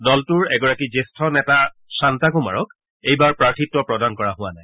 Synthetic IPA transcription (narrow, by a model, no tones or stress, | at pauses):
dɔltʊɹɛɡɔɹakizestʰɔnɛtasantakʊma̰ɹɔk | ejbaɹpɹaɹtʰitwɔpɹɔdankɔɹaɦʊ̃anaj